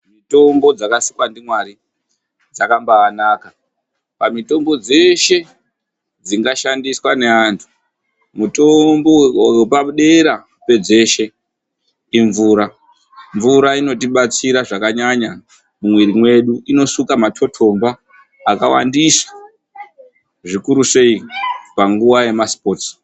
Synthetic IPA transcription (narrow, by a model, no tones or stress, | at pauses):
mito̞mbo̞d͡zakasikwandimwaɾi | d͡zakambaːnaːka | pamito̞mbo̞d͡ze̞ʃe̞ | d͡ziŋɡaʃandiswane̞antʰu̥ | muto̞mbo̞wepakuɗe̞ɾa | pe̞d͡zeʃe̞ | iɱvuːɾa | ɱvuɾaino̞tiɓat͡siɾaʐakaɲaɲa | mumwiɾimwe̞ɗuino̞sukamatʰo̞tʰo̞mbaː | kawa̰ndisḁ | ʐikuɾuse̞ipaŋɡuwaje̞maspo̞t